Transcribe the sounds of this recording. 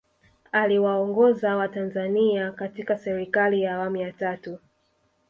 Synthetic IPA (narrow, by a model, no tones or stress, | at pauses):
aliwaɔŋɡɔzawatanzaniakatikasɛɾikalijaːwamujatatu